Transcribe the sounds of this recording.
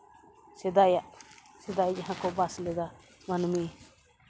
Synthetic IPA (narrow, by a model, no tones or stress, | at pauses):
sɛd̪ajaʔ | sɛd̪ajd͡ʒaɦãkɔbaslɛd̪a | manmi